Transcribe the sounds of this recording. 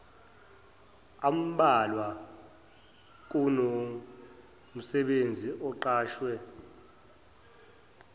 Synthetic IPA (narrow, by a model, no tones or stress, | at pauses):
am̩ɓalwa | k̬uno | m̩sɛɓend͡zʱiʔɔǃaːʃwɛ